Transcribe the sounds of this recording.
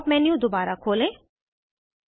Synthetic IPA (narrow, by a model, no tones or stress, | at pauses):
pmɛ̃njũd̪obaːɾakʰoːlẽː